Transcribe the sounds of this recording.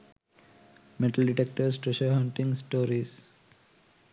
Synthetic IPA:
meʈəlɖiʈek̚ʈəɾsʈɾeʃəɦə̃ɳʈĩŋsʈoːɾis

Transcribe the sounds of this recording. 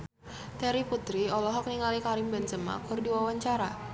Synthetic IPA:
t̪ɛɾiput̪ɾiɔlɔɦɔk̚niŋalikaɾɪmband͡ʒəma̰kʊrdiwawaɲt͡ʃaɾa

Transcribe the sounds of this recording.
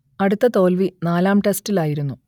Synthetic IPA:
ɐɽut̪ːɐt̪o̞ːlʋinaːlaːmʈe̞stilaːjiɾunːu

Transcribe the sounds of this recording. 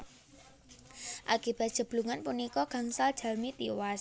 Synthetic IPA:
ʔakib̥a̤t̪̚ʒ̥ə̤b̥luŋanpunikɔɡ̥a̤ŋsald̥ʒ̥a̤lmit̪iwas

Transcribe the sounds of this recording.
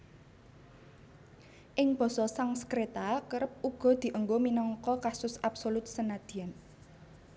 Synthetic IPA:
ʔɪŋb̥ɔ̤sɔsaŋsə̥kɾet̪akəɾəp̚ʔuɡ̥ɔ̤d̪̥i̤ʔəŋɡominɔŋkɔkasʊsʔapsolʊt̪̚sənad̪̥i̤an

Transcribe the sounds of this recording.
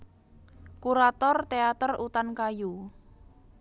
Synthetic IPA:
kuɾat̪ɔrt̪eat̪ərut̪ankaju

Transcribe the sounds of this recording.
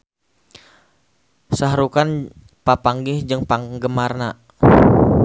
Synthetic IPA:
saɦɾukan | papaŋɡɪhd͡ʒɨŋpaŋɡəmarna

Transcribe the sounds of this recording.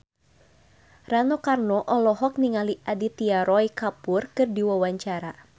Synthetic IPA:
ranɔkarnɔʔɔlɔɦɔk̚niŋaliʔadit̪iaɾɔikapʊrkɨrdiwawaɲt͡ʃaɾa

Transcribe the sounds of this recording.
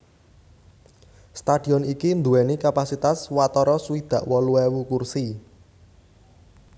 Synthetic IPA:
st̪aɖ̥i̤ɔnikind̪uwɛnikapasit̪aswat̪ɔɾɔsuwid̪̥ä̤ʔwɔluɛwukursi

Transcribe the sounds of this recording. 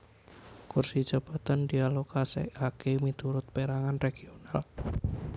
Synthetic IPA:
kursid̥ʒ̥a̤b̥at̪and̪ialokasḛʔakemit̪uɾʊt̪̚peɾaŋanreɡ̥ional

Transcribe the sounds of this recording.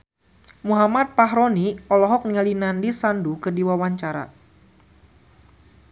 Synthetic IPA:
muɦamat̪̚paɦɾɔniɔlɔɦɔk̚niŋalinandisandukɨrdiwawaɲt͡ʃaɾa̰

